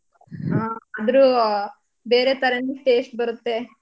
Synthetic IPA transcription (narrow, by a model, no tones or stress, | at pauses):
ɦãːɐd̪ɐɾu | be̞ːɾet̪ɐɾɐnuʈeːsʈ̚bɐɾut̪ːe